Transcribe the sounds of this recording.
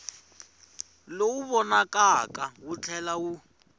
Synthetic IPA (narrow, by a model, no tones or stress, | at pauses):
louβɔnakʼakʼawut͡ɬʰɛlawu